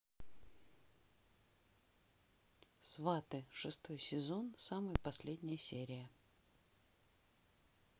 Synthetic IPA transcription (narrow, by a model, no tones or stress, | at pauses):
svat̪ɨʂɨst̪o̞jsʲɪzo̞nsamɨjəpɐsʲlʲedʲnʲɪjəsʲeɾʲɪjə